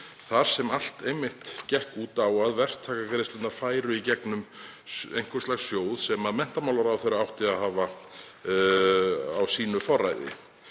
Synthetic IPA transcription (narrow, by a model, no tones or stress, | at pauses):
θaɾ̥sɛmal̥t̪ejmːɪht̪cɛhkuːt̪aːwaðvɛr̥t̪ʰaːkakɾɪst̪ʏnafaːjɾʏicɛknʏm | ḛjŋ̥kɔ̥slaɣsːjoːwðsɛmaðmɛn̥t̪amawlaɾawθejɾaawht̪ɪaðhaːva | a̰wsiːnʏfɔrːa̰jðɪ̰